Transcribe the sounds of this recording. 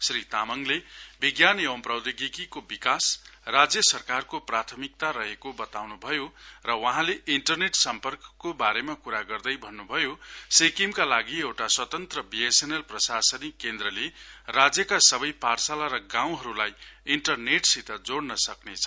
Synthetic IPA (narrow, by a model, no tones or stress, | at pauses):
srit̪amʌŋlebiɡjanewʌmprʌwd̪iɡikikobikasrad͡zjʌsʌrkarkoprat̪ʰʌmik̚t̪aɾʌɦekobʌt̪awnubʱʌjorʌwʌɦãleiɳʈʌrneʈsʌmpʌrkʌ̥kːobaɾemakuɾaɡʌrd̪ʌjbʱʌnːubʱʌjosekimkalaɡiewʈaswʌt̪ʌnt̪rʌbiesenelprʌsasʌnikend̪rʌlerad͡zjʌkasʌbʌjparsalaɾʌɡãw̃ɦʌɾulajiɳʈʌrneʈsit̪ʌd͡zoɽnʌsʌknet͡sʰʌ̥